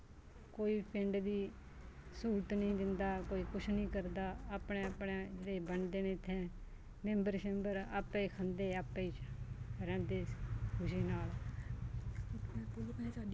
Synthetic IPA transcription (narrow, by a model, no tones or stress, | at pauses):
koːiːpʰɪɳɖd̪iː | suːɾʈ̪nəĩːd̪ɪnd̪aːkoːiːkʊt͡ʃʰnĩːkəɾd̪aːaːpɳẽːəpɳẽːd͡ʒəɽeːbəɳd̪eːnẽːt̪ʰːɛ̃ː | mẽmbəɾʃə̃mbəɾaːpːẽikʰənd̪eːaːpːẽiːt͡ʃɾɛ̃ːnd̪eːkʊʃiːnaːl | saːɖ